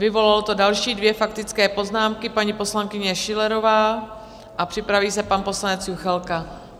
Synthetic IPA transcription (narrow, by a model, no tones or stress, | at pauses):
vɪvo̞lalot̪o̞dalʃiːdvjɛfak̚t̪ɪt͡skɛːpo̞znaːmkɪpaɲipo̞slaŋkɪɲɛʃɪlɛɾo̞vaː | ʔapr̝̥ɪpɾaviːsɛpanpo̞slanɛt͡sjuxɛlka